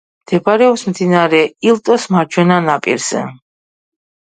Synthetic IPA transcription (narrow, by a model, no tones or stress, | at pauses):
md̪̥ɛbʰaɾɛɔbsmd̪inaɾɛilt̪ʼɔsmaɾt͡ʃʰwɛnanapʼḭɾz̥ɛ̰